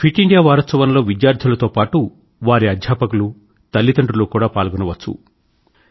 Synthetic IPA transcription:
pʰiʈiɳɖijaːʋaːɾɐt̪sɐʋɐnɐlo̞ːʋid̪jaːɾd̪ʱulɐt̪o̞ːpaːʈu | ʋaːɾiɐd̪ʱjaːpɐkulu | t̪ɐlːit̪ɐɳʈɾuloːkuːɽaːpaːlɡɔnɐʋɐt͡ʃːṵ

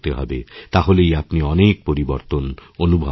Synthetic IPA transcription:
t̪eɦɔ̰bet̪aɦolejapniɔnek̚poɾiboɾt̪ononubʱa̰

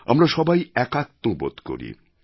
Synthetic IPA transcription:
a̰mɾaʃɔbajɛkat̪ːobo̰d̪ko̰ɾḭ

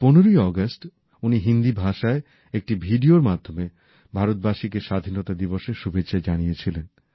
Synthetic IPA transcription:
ponoɾojɔɡasʈ | uniɦind̪ibʱaʃae | ek̚ʈibʱiɖioɾmad̪ʱome | bʱaɾot̪̚baʃikeʃad̪ʱinot̪ad̪iboʃeɾʃubʱetːɕʰaed͡ʑanijet͡ɕʰilen

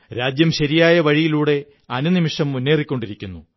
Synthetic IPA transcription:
ɾaːd͡ʑjɐmɕɐɾijaːjɐʋɐɻijiluːɽe̞ | ɐnunimiʂɐmːunːe̞ːrikʲːo̞ɳɖiɾikʲːunːu

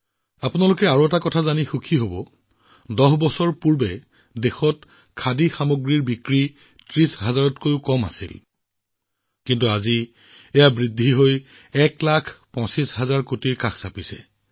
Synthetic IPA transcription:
apunalʊkɛaɹoɛtakɔtʰazanixukʰiɦobɔ | dɔɦbɔsɔɹpuɹbɛ | dexɔt | kʰadixamoɡɹiɹbikɹi | tɹisɦazaɹɔtkojʊkɔma̰sḭl | kintuazi | ejabɹidʱːiɦoj | ɛklakʰpɔ̃sisɦazaɹkotiɹkakʰsapisɛ̰

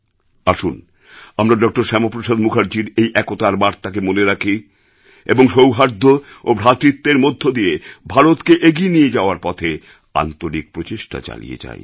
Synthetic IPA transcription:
aʃun | amɾaɖɔk̚ʈoɾʃɛmopɾoʃad̪mukʰaɾd͡ʑiɾejʔɛkot̪aɾbaɾt̪ʰak̬emoneɾakʰi | eboŋʃowɦaɾd̪ʱːoobʱɾat̪ɾit̪ːeɾmod̪ʱːod̪ijebʱaɾot̪keʔeɡienijed͡ʑaoaɾpɔt̪ʰe | a̰nt̪oɾik̚pɾot͡ɕeʃʈa̰t͡ɕa̰lḭjḛt͡ɕa̰e

